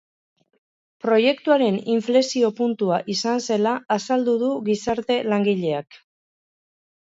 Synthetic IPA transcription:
pɾo̞je̞kt̪uaɾe̞niɱfle̞sio̞punt̪uaʔisanse̞laːsald̪uðuɣisaɾt̪e̞laŋɡiʎe̞ak

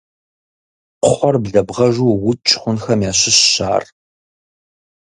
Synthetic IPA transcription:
qʷʊχʷɔrbɮɐbʁɐʒʷuːwʊt͡ʃʼχʷʊnxɐmjaːɕɪɕːa̰ːr

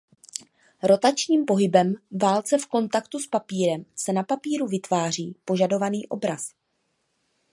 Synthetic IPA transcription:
ɾo̞t̪at͡ʃɲiːmpo̞ɦɪbɛmvaːlt͡sɛfko̞nt̪akt̪uspapiːɾɛmsɛnapapiːɾuvɪt̪vaːr̝iːpo̞ʒado̞vaniːʔo̞bɾas

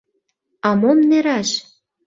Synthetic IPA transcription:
ɑmomneɾɑʃ

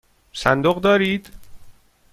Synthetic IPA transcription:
sænd̪oɣd̪ɒːɾiːd̪̥

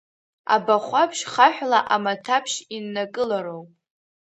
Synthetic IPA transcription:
a̰baχʷapʰʃχaħʷᶣlaʔamatʰapʰʃinːakʼɨlaɾowpʼ

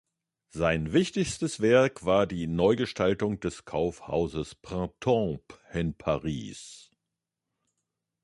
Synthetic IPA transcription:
zaɪnvɪçtɪçstəsv̥ɛɐkv̥aːɐdiːnɔʏɡəʃtaltʊŋd̥ɛskʰaʊfha̰ʊzəspʁ̥ãtʰɔ̃pʔɪnpʰaʁḭːs

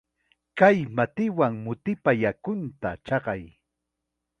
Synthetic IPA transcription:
kajmat̪ɪwaŋmʊt̪ɪpajakʊnt̪a̰t͡ʃɑɢɑj

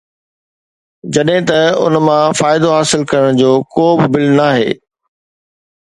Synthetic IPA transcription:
d͡ʑɐɗɦɪ̃t̪ɐʊ̰nmãfaːɪd̪oɦaːsɪlkɐɾəɽ̃d͡ʑoːkoːbɪbɪlnaːɦḛː

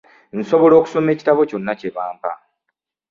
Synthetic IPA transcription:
n̩so̞βo̞lo̞ːku̥so̞me̞ːci̥taβo̞co̞nːace̞βaːmpa̰

